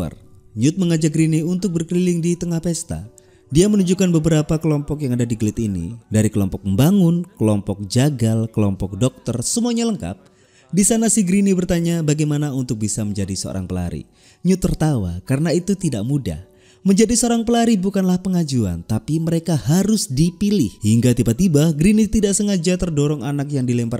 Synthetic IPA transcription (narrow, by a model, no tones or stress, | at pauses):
a̰r | ɲʊt̪̚məŋad͡ʒaɡɾiniunt̪ʊk̚bərkəlilɪŋdit̪əŋahpɛst̪a̰ | diamənuɲd͡ʒukanbəbəɾapakəlɔmpɔkjaŋadadiɡəlɪt̪inḭdaɾikəlɔmpɔk̚əmbaŋʊnkəlɔmpɔk̚d͡ʒaɡalkəlɔmpɔk̚dɔk̚t̪ərsəmuaɲaləŋka̰p̚ | disanasiɡɾinibərt̪aɲabaɡajmanaunt̪ʊk̚bisaməɲd͡ʒadisəo̰ɾʔa̰ŋpəla̰ɾḭ | ɲut̪ərt̪awa̰kaɾənait̪ut̪idaʔmuda̰h | məɲd͡ʒadisəoɾaŋpəlaɾibukanlahpəŋad͡ʒua̰nt̪apiməɾekahaɾʊsdipilɪ̰hhiŋɡat̪ibat̪ibahɡɾinit̪idaʔsəŋad͡ʒat̪ərdɔɾɔŋanakjaŋdilɛmpər